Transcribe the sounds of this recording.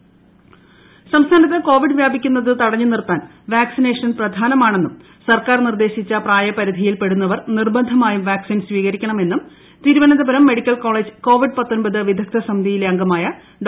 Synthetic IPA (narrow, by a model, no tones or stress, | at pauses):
sɐmst̪ʰaːnɐt̪̬ːeko̞ːʋiɖɨʋjaːbʱikʲːunːɐðɨt̪ɐɽɐɲːunirpːaːn | ʋaːksine̞ːʂɐnprɐd̪ʱaːnɐmaːɳe̞nːum | sɐrkaːrnird̪e̞ːɕit͡ɕːɐpraːjɐpɐɾid̪ʱijilpe̞ɽunːɐʋɐrnirbɐnd̪ʱɐmaːjumʋaːksiːnsʋiːɣɐɾikʲːɐɳɐme̞nːum | t̪iːɾuʋɐnɐðɐbɐɾɐmːe̞ɽikʲːɐlko̞ːɭeːd͡ʑɨko̞ːʋiɖpɐt̪ːo̞nbɐðɨʋid̪ʱɐk̚t̪ʰːɐsɐmid̪ijileɐŋɡɐmaːjɐ | ɖ